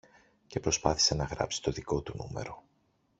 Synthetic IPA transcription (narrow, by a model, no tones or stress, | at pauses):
ce̞pɾo̞spɐθi̥se̞nɐɣɾɐ̰psi̥t̪o̞ðiko̞t̪unṵme̞̰ɾo̞